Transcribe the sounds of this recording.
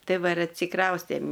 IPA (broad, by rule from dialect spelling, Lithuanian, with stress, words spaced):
ˈtɐɪ ˈʋɐ ɪr ɐtʲsʲɪˈkrɐʊsʲtʲeːm